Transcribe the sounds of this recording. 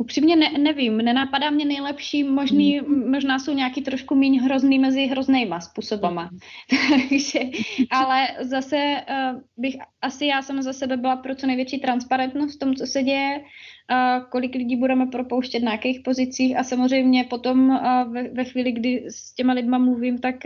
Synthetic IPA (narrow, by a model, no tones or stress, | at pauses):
ʔupr̝̥iːmɲɛnɛnɛvimnɛnapadaːmɲɛnɛjlɛpʃiːmo̞ʒniːmo̞ʒnaːso̞wɲakiːt̪ɾo̞ʃkumiːɲɦɾo̞zniːmɛzɪɦɾo̞znɛjmaspuːsobamat̪aɡʒ̥ɛʔalɛzasɛ | bɪxʔasɪjaːsamazasɛbɛbɪlapɾot͡sonɛjvjɛt͡ʃiːt̪ɾanspaɾɛnt̪nost̪t̪omut͡so̞sɛɟɛjɛ | ko̞lɪklɪɟiːbudɛmɛpɾopowʃcɛt̪̬najakɛjxpo̞zɪt͡siːxasamozr̝ɛjmɲɛpo̞t̪o̞mvɛvɛxʋiːlɪɡdɪscɛmalɪdmamluviːmt̪ak